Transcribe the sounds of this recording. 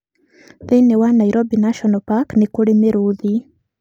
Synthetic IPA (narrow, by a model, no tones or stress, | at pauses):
ðinɛwanaiɾʔɔbinaʃɔnɔpaknikuɺimiɾuði